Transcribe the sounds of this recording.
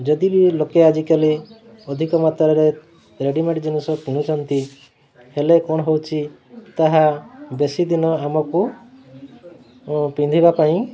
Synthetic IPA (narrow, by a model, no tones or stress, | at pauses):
d͡ʒɔd̪ibilokead͡ʒikali | ɔd̪ʱikɔmat̪ɔɾɔɾe | ɾeɖimẽɳʈd͡ʒenisɔkiɽ̃ut͡ʃʰɔnt̪i | helekɔɽ̃ɔɦewt͡ʃʰi | t̪aɦabesid̪inɔamɔku | pind̪ʱibapaĩ